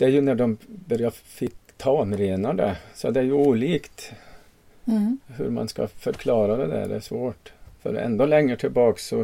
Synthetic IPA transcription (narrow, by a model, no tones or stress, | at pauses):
d̪̥ɛæɾjʉnæɖɔmbœɾjɑfɪkːt̪ʰɑːɔmɾeːnɑɖɛ̰sɔd̪ɛæɾjʉuːliːkt̪ | hɵ̰ɾmɑ̰nskɑ̰fœɾkʰlɑːɾad̪ɛd̪æ̰ɖ̪ɛ̰ʂʋoːʈfœ̰ɾɛ̰nd̪ɔlɛŋːəʈʰɪlbɑːksɔ